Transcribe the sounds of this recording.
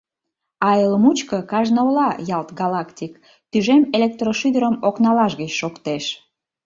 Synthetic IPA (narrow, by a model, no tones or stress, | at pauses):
ɑeləmut͡ɕkəkɑʒnəolɑjɑlt̪ɡɑlɑkt̪ʲik | t̪yʒemelek̚t̪roʃyd̪əɾəmoknɑlɑʃɣət͡ɕʃokt̪eʃ